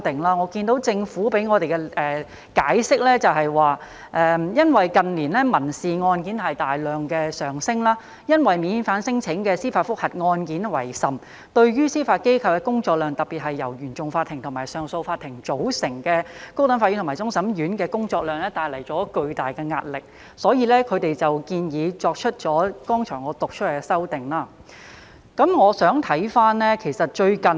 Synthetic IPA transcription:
t̪ɪ˨ŋlaː˧ŋɔː˨˧kiː˧nt̪o˨˥wt͡sɪ˧ŋfuː˨˥pe˨˥jŋɔː˨˧t̪e˨jkɛ˧ɛː˨ | kaː˨˥jsɪ˥k̚lɛː˥t͡sɐ˨wɦɐ˨jwaː˨˩ | ʔɛ˨jɐ˥nwɐ˨jkɐ˨nliː˨˩nlɛː˥mɐ˨˩nsiː˨ŋɔː˧nkiː˨˥nhɐ˨jt̪aː˨˩jlœː˨ŋkɛː˧sœː˨ŋsɪ˥ŋlaː˥ | jɐ˥nwɐ˨jmiː˨˧nfaː˨˥nsɪ˥ŋt͡sʰɪ˨˥ŋkɛ˧siː˥faː˧t̚fʊ˥k̚hɐ˨t̚ŋɔː˧nkiː˨˥nwɐ̰˨˩jsɐ˨m | t̪ɵ˧ɥɥyː˥siː˥faː˧t̚ke˥jkʰɐ˧wkɛː˧kʊ˥ŋt͡sɔː˧k̚lœː˨ŋt̪ɐ˨˩piː˨t̚hɐ˨jːɐ˨˩wjyː˨˩nt͡sʊ˨ŋfaː˧t̪ʰːɪ˨˩ŋt̪ʰʊ˨˩ŋmaː˨˩jsœː˨ŋso˧wfaː˧t̪ʰːɪ˨˩ŋt͡so˨˥wsɪ˨˩ŋkɛː˧ko˥wt̪ɐ˨˧nfaː˧˥jyː˨˥t̪ʰmː˨˩jt͡sʊ˥ŋsɐ˨˥mjyː˨˥nkɛː˧kʊ˥ŋt͡sɔː˧k̚lœː˨˧ŋlɛː˥t̪aː˨˧jlɐ˨˩jt͡sɔː˨˥kɵ˧ɥt̪aː˨jkɛː˧ŋaː˧t̚lɪ˨k̚ | sɔː˨˥jiː˧lɛː˥kʰɵ˨˧ɥt̪e˨jt͡sɐ˨wkiː˧njiː˨˧t͡sɔː˧k̚t͡ʃʰɵ˥t̚t͡ʃɔː˨˥kɔː˥ŋt͡ʃʰœː˨˩ŋɔː˨˧t̪ʊ˨k̚t͡ʃʰɵ˥˨˩sɐ˥wt̪ɪ˨˩ŋlaː˥ | kɐ˨˥mŋɔː˨˧sœː˨˥ŋt̪ʰɐ˨˥jfaː˥nlɛ˥kʰe˨˩jsɐ˨t̚t͡ʃɵ˧ɥkɐ˨n

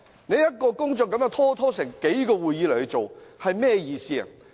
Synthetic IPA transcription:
ne˨˧jɐ˥t̚kɔː˧kʊ˥ŋt͡ʃɔ˨kɐ˨˥mjœː˧˥ŋt̪ʰɔː˥t̪ʰɔː˥sɪ˨˩ŋke˨˥jkɔː˧wuː˨jiː˨˥lɐ˨˩jhɵ˧t͡so˨whɐ˨jmɛː˥˧jiː˧siː˥˧ɐ̰˨˩

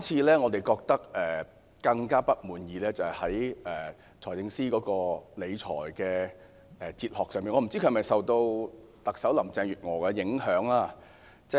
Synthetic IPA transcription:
kmt͡sʰiː˧lɛː˥ŋɔː˨˧t̪e˨jkɔː˧k̚t̪ɐ˥k̚ɛː˨ | kɐ˧ŋkaː˥pɐ˥t̚muː˨njiː˨˧lɛː˥t͡sɐ˨hɐ˨˩hɐ˨˥jɛː˨ | t͡sʰɔː˨˩jt͡sɪ˧ŋsiː˥kɔː˨˥kɔː˧le˨˧jt͡sʰɔ̰ː˨˩jkɛː˧ | ɛ˨t͡siː˧t̚hɔː˨k̚sœː˨ŋmiː˨nŋɔː˨˧˥m̩˨˩t͡si˥ɵ˧˥˨mɐ˨˩jsɐ˨wt̪o˧w | t̪ɐ˨k̚sɐ˨˥wlɐ˨˩mt͡sɛː˧ŋɥyː˨t̚ŋɔː˨˩kɛ˧jɪ˨˥ŋhœː˨˥ŋaː˥ | t͡sɛː˥

